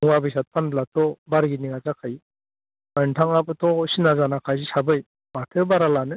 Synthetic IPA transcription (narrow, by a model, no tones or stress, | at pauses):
ɯŋwabɯjsat̚pʰanblatʰɔbaɾɡiniŋazakʰaj | antʰaŋapɯtʰɔsinazanakʰajsisabɯj | batʰɯbaɾalanɯ